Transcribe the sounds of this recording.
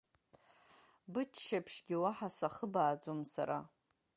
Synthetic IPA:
bɨt͡ʃʰʃapʰʂɡʲiwaħasaχəbaːd͡zomsa̰ɾa̰

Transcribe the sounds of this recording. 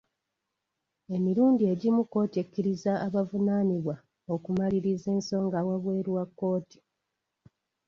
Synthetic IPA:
e̞miɾuːndie̞ɟimukːo̞ːtiecːiɾizaːβavunaniβwa | o̞kumaliɾize̞ːnso̞ːŋɡawaβwe̞ːɾwakːo̞ːti̥

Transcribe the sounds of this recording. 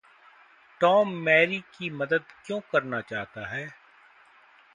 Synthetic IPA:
ʈɔːmːɛːɾikimɐd̪əd̪kjõːkɐɾnat͡ʃaːɦt̪aɦɛː

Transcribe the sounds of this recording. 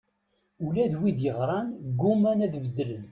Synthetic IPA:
ulæðwiðjəʁɾˤɑnɡumænæðvəd̪ːələn

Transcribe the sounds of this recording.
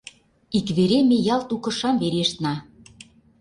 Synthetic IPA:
ikβeɾemejɑlt̪ukɤ̆ʃɑmβeɾeʃt̪nɑ

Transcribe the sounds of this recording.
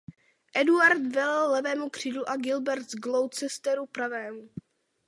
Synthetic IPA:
ʔɛduaɾt̪vɛlɛlːɛvɛːmukr̝̥iːdluʔaɡɪlbɛɾt̪zɡlow̪t͡sɛst̪ɛɾupɾavɛːmu

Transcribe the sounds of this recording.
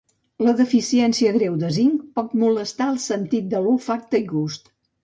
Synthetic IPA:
ləðəfisiɛnsiəɣɾewd̪əziŋk̚pɔt̪̚muləst̪aəlˠsənt̪it̪̚d̪əlufak̚t̪əiɣust̪

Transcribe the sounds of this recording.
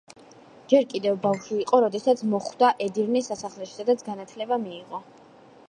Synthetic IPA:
d͡ʒɛɾkʼid̪ɛvbafʃiːqʼɔɾɔd̪ɛsat̪sʰmɔχwd̪aʔɛd̪iɾnisasaχlɛʃi̥sad̪at̪sʰɡanat̪ʰlɛbamiːʁɔ

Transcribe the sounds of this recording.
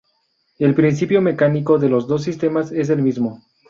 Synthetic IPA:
e̞lpɾins̬ipjo̞me̞kaniko̞ðe̞lo̞zðo̞s̬ːist̪e̞mase̞s̬e̞lmizmo

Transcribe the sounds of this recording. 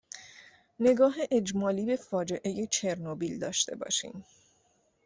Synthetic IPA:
ne̞ɡɒːɦeʔed͡ʒmɒːliːbe̞fɒːd͡ʒe̞ʔe̞je̞t͡ʃʰe̞ɾnobiːld̪ɒ̰ːʃt̪e̞̰bɒ̰ːʃḭːm

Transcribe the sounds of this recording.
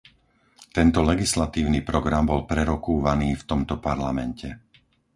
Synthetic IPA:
t̪ɛnt̪ɔlɛɡislat̪iːʊnipɾɔɡɾambɔlpɾɛɾɔkuːʋaniːft̪ɔmt̪ɔpaɾlamɛncɛ

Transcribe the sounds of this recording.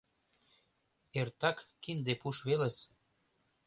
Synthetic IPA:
ert̪ɑkːind̪epuʃβelə̆s

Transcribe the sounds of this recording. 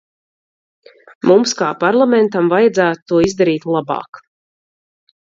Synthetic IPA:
mumskaːpaɾlˠamɛnt̪amvajad̪zæːt̪ut̪ːuɔizd̪aɾiːt̪lˠabɑ̰ːk

